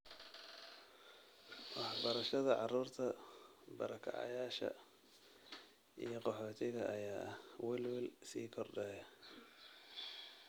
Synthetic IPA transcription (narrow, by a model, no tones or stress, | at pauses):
wɑħbɐɾɐʃɐðɐʕɑruːrt̪ʰɐ | bɐ̰ɾɐkʰɐ̰ʕɑ̰jaːʃɐ̰ | ʔḭjɞqɔħɔːt̪ʰɪɣɐʔɐjaːʔɐhwɛlwɪlsiːkʰɔrɖɛːjɐ